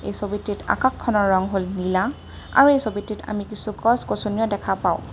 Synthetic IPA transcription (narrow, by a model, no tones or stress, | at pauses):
ḛjsobitːita̰kakʰːɔnɔɹːɔŋɦolnila | a̰ɹuejsobitːita̰mikisukɔskosunijɔdɛkʰapaʊ̃